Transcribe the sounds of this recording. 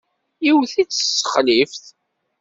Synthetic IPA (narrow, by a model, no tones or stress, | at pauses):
iwθit͡sːəsːə̥χlifθ